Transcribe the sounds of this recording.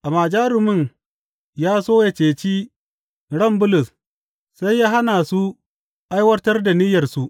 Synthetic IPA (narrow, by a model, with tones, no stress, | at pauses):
ʔa˨maː˨d͡ʒaː˦ɾʊ˨mʊ˦˨n | jaː˦soː˦ja˨t͡ʃeː˨t͡ʃiː˦ | ɽɐ˦˨mbʊ˦lʊ˨s | sa˦jːaː˦ɦa˦naː˨su˦ | ʔa˦jwɐ˦tɐ˦rda˨ni˦jɐ˨rsu˦